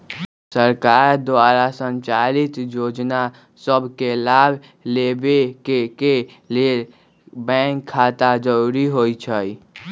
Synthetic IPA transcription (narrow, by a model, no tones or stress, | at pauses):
səɾkaɾd̪ʋaɾasə̃nt͡ʃalit̪jod͡ʒna | səbʱkelab | lebekeke | le | bɛ̃ŋkʰːat̪ad͡ʒəɾuɾiɦojt͡ʃʰəj